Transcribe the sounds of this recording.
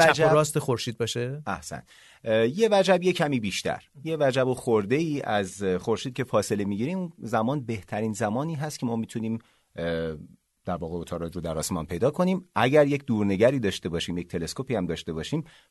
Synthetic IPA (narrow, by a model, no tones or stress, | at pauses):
ææd͡ʒæɾɒːst̪exoɾʃiːd̪̚bɒːʃeæhsæ̰n | je̞væd͡ʒæbje̞cʰæmiːbiːʃt̪ʰæ̰ɾje̞væd͡ʒæboxoɾd̪e̞iːʔæzxo̞ɾʃiːd̪̚cʰʲe̞fɒːse̞lemiɟiːɾemunzæmɒːnbe̞ht̪ʰæɾiːnzæmɒːniːɦæst̪cʰe̞mɒːmiːt̪ʰuniːm | d̪̥æɾvɒːɣe̞ot̪ʰɒːɾɒːd͡ʒɾod̪æɾɒːsmɒnpʰe̞jd̪ɒːkʰo̞niːmʔæɟæɾje̞cʰd̪uːɾne̞ɟæɾiːd̪ɒːʃt̪e̞bɒːʃiːmje̞c̚t̪ʰe̞le̞skopiːhæmd̪ɒːʃt̪e̞bɒːʃiːm